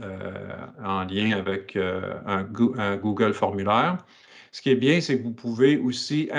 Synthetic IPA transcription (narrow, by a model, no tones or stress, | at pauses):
ø̰ | ɑ̃ljɛ̃avɛkʰø̰ɛ̰̃ɡə̃ɡuɡəlfɔʁmylɛːʁ | sə̥kʲiɛbjɛ̃sekəvupʰuveosiʔɛ